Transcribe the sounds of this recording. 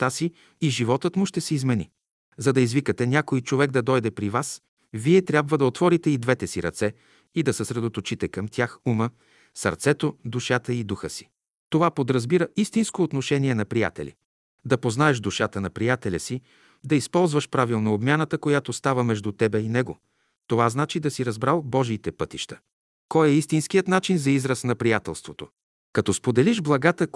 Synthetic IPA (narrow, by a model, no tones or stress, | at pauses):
t̪asiː | ʒivɔt̪ət̪mʊʃt̪ɛsɛizmɛnḭ | zɐd̪ɐizvikət̪ɛnʲakojt͡ʃovɛɡ̚d̪ɐd̪ɔjd̪ɛpɾivas | viɛt̪ɾʲabvəd̪ɐot̪vɔɾit̪ɛid̪vɛt̪ɛsiɾɐ̰t̪sɛ | id̪ɐsəsɾɛd̪ot̪ot͡ʃit̪ɛkɐmt̪ʲjaxumə | sɐ̰ɾt̪sɛt̪od̪uʃat̪əid̪uxəsi̥ | t̪ovapod̪ɾɐzbiɾəist̪inskoːt̪noʃɛnʲiɛnɐpɾija̰t̪ɛ̰lʲḭ | d̪ɐpoznaɛʃd̪uʃat̪ənɐpɾijat̪ɛlʲɐsi | d̪ɐispɔlˠzvəʃpɾavilˠnoːbmʲjanət̪əkojat̪ost̪avəmɛʒd̪ut̪ɛbɛinɛɡo̰ | t̪ovaznat͡ʃid̪ɐsiɾɐzbɾalˠbɔʒiːt̪ɛpɤt̪iʃt̪ə̥ | kɔjɛist̪inskijət̪nat͡ʃinzɐizɾəsnɐpɾijat̪ɛlˠst̪vot̪o | kɐt̪ɔspod̪ɛliʒblˠɐɡat̪ə